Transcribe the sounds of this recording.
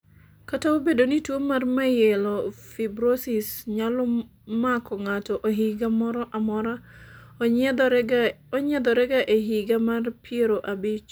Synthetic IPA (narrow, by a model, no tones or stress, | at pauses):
kataobedonitwomːarmajɛlɔfibɾosisɲalɔ | makɔŋatɔʔoɦiɡamɔɾɔʔamɔɾa | ɲɛd̪ɔɾɛɡaʔeɦiɡamarpʰieɾoʔabɪt͡ʃ